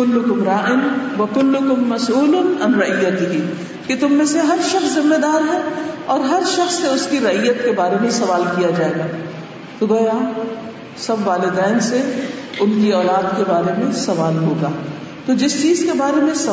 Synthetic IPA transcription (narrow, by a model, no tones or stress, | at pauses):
ʊlːʊkʊmɾaːʔɪnʋɐkʊlːʊkʊmːɐsuːlʊnɐnɾɐijːɐt̪ɦiː | kit̪ʊmːẽseɦɐɾʃɐxszɪmːed̪aːɾɦɛɔːɾɦɐɾʃɐxsːeʊskiɾɐijːət̪kebaːɾemẽsɐʋaːlkijad͡ʒaːeːɡaː | t̪oɡoːjaː | sɐbʋaːlɪd̪ɛːnseʊnkiɔːlaːd̪kebaːɾemẽsɐʋaːlɦoːɡaː | t̪od͡ʒɪst͡ʃiːzkebaːɾemẽsɐ